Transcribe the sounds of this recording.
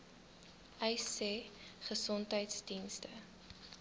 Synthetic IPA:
ʔɛjseχəsɔntɦəjtsdinstə

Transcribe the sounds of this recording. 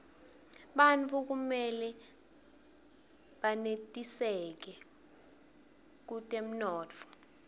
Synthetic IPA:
ɓant͡fʰuk̬umɛlɛ | ɓanetʼisɛk̬ɛ | k̬utʼem̩nɔːt͡fʰɔ̥

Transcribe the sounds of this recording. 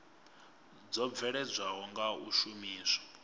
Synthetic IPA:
d͡zɔb̪vɛɺɛd͡zʷaɦɔŋɡauʃumiːsḁ

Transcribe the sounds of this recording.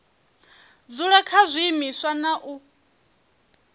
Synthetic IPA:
d͡zuɺɛkʰazʷiːmiswanaʔu

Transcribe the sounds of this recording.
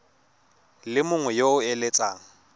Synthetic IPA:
lɪmʊŋwɛjoʊelet͡sʼaːŋ̩

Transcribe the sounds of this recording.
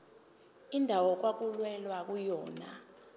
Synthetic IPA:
indʱawɔk̬wak̬ulwɛlwak̬ujɔːna̰

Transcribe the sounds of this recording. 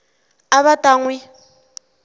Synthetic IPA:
aβatʼaŋwi

